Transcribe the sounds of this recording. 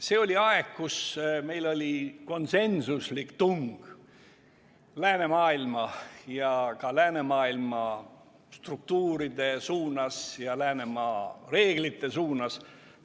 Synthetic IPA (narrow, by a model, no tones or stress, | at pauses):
se̞ːo̞lʲiɑeɡ̥kusme̞jlo̞lʲiko̞nse̞nsuslikt̪uŋɡ̥ | læːne̞mɑːilmɑjɑkɑlæːne̞mɑːilmɑ | st̪ruk̚t̪uːɾid̪̥e̞suːnɑsjɑlæːne̞mɑre̞ːɡ̥lit̪ːˑe̞suːnɑs